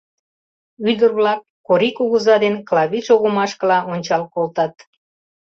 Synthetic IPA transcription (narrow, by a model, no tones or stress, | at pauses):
yd̪ərβlɑk̚ːoɾikuɣəzɑd̪enklɑβiʃoɣəmɑʃkəlɑʔonʲt͡ɕɑlkolt̪ɑt̪̚